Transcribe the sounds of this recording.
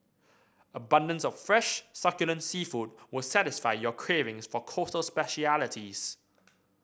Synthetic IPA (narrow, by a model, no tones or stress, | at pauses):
əbʌ̃ndə̃ntsəv̥fɹɛʃsʌkjələ̃ntsiːfut̚wɪlsatɪsfaɪjəkʰɹ̥iɹɪ̃ŋsfəkʰɔˑtəlˠspɛʃialɪtʰiz̥